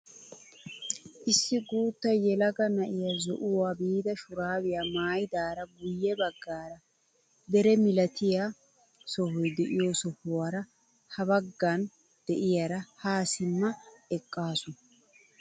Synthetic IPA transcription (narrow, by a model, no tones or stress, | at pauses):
ʔɪsːɪɡuːt̪ːɐjɛlɐɡɐnɐʔɪjɐzɔ̰ʔʊwaːbiːd̪ɐʃʊɾaːwɪjamaːjd̪aːɾɐɡʊjːɛbɐɡːaːɾɐ | d̪ɛɾɛmɪlɐt̪ʰɪja | sɔhɔjd̪ɛʔɪjoːsɔhʊwaɾɐ | hɐbɐɡːan | d̪̥ɛʔɪjaɾɐhaːsɪmːɐɛkʼːaːsʊnɐ